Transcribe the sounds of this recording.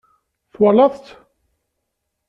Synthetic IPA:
θwɑlɑðˤt̪

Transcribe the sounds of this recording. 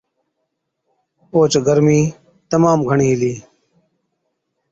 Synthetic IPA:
oːt͡ʃɡəɾmiː | t̪əmaːmɡʱəɳiːɦɪliː

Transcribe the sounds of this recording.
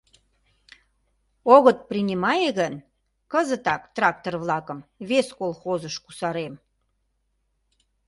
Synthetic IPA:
oɣət̪̚prinʲimɑjeɣən | kəzət̪ɑkt̪rɑk̚t̪orβlɑkəmβeskolˠxozəʃkusɑɾem

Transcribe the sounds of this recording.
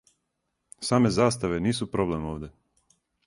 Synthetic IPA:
saːme̞zaːst̪aʋeniːsupɾoble̞moːʋd̪ʲe̞

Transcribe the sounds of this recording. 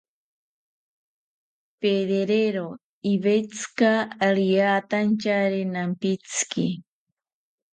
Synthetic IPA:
peðeɾeɾo | iβet͡sɨ̥kaɾiaːt̪ant͡ʃaɾenampit͡sɨ̥ki

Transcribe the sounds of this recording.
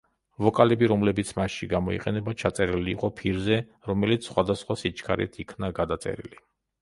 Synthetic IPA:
vɔkʼalɛbiɾɔmlɛbit̪sʰmasʃiɡamɔḭqʼɛnɛbat͡ʃʰat̪sʼɛɾiliːqʼɔpʰiɾzɛɾɔmɛlit̪ssːχwad̪asχwasit͡ʃʰkʰaɾɛ̰t̪ʰikʰnaɡad̪at̪sʼɛ̰ɾḭli

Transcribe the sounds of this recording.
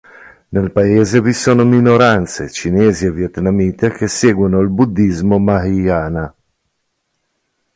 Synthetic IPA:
nelpaeːzevisoːnominoɾant̪sḛt͡ʃineːzievjet̪namiːt̪ekeseːɡwunoalbud̪ːizmomahiaːna

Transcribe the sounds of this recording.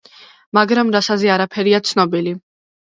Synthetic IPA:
maɡɾamɾasazɛaɾapʰɛɾiat̪sʰnɔbili

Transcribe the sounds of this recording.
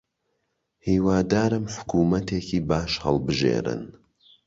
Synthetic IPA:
hiːwaːd̪aːɾɨmħʊ̥kʰuːmɐt̪ʰeːkʰiːbaːʃhɐlˠbɨʒḛːɾɨ̰n

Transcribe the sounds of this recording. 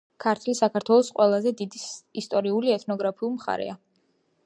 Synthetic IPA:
kʰaɾt̪ʰlisakʰaɾt̪ʰwɛlˠɔsqʼwɛlˠazɛd̪id̪isist̪ʼɔɾiuliɛt̪ʰnɔɡɾapʰiulˠmχa̰ɾɛ̰a

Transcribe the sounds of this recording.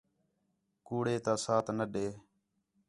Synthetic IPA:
kuːɽeːt̪ãːsaːt̪ʰnəɗeː

